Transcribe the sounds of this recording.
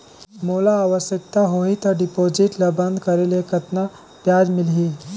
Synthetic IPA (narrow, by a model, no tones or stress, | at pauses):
molaːʋəsjək̚t̪aɦoit̪əɖipod͡ʒiʈlabənd̪kəɾelekət̪na | pjad͡ʒmilɦi